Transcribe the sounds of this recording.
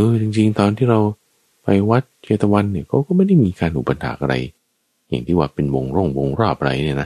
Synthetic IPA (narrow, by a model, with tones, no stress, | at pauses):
ʔɤː˧˩t͡ɕi˧ŋt͡ɕi˧ŋt̪ɔː˧nt̪ʰiː˥˩ɾa˧w | pa˧jwa˦˥t̪̚t͡ɕʰeː˧˩t̪ːa˧wa˧nːi˥˩ɐkɔː˥˩kɔː˥˩ma˥˩jda˥˩jmiː˧kaː˧nhuː˨˩pa˧nha̰ː˩˦ʔa˧ɾa̰˧j | ja̰˨˩ŋt̪ʰiː˥˩waː˧˩pe˧nwo˧ŋɾo˥˩ŋwo˧ŋɾɔː˥˩p̚ʔa˧ɾa̰˧jni˥˩ɐna˦˥